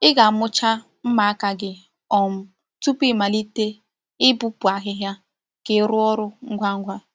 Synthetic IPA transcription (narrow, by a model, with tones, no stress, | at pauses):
ɪ˦ɡa˨mʊ˦t͡ʃa˦ | m̩˦ma˨a˦ka˨ɡɪ˦ | ɔ˨m̩˨ | tu˦pi˦ma˨li˦te˦ | ɪ˦bu˦pu˨a˨ɦɪ˦ɦja˦ | ke˨ɾʊ˦ɔ˦ɾʊ˦ŋ̩˦ɡʷa˦ŋ̩˦ɡʷa˦